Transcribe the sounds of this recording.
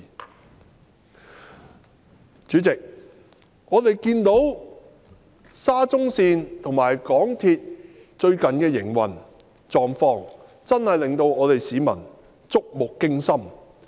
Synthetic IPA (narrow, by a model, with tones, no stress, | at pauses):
t͡ʃyː˨˥t͡sɪ˨k̚ | ɔː˨˧t̪e˨jkiː˧nt̪o˨˥w | saː˥t͡sʊ˥ŋsiː˧nt̪ʰʊ˨˩ŋmaː˨˩jkɔː˨˥ŋt̪ʰiː˧t̚ | t͡ʃɵ˧ɥkɐ˨nkɛː˧jɪ˨˩ŋwɐ̰˨˩n | t͡sɔː˨˩ŋfɔː˧ŋ | t͡sɐ˥nhɐ˨jlɪ˨ŋt̪o˧wɔː˨˧t̪e˨jsiː˨˥mɐ̰˨˩n | t͡sʊ˥k̚mʊ˨kːɪ˥ŋsɐ˥m